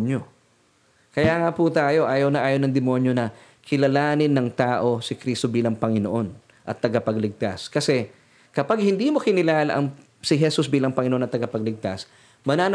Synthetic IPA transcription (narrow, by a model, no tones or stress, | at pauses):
njo | kɐjaːŋaput̪aːjo̞ʔaːjɐwnɐʔaːjonɐŋd̪ɪmo̞njonɐ | kʰɪlɐlaːnɪnːɐŋt̪aːʔo̞sɪkɾiːst̪o̞biːlɐŋpɐŋɪnoʔo̞n | ʔɐ̰t̪ːɐɡɐpɐɡlɪɡ̚t̪askɐsɛ | kɐpaɡ̚hɪnd̪iːmo̞kɪnɪlaːlɐ̰ʔɐŋ | sɪɦɛsusbiːlɐŋpɐŋɪnoʔnɐt̪ɐɡɐpɐɡ̚lɪɡ̚t̪as | mɐnaːn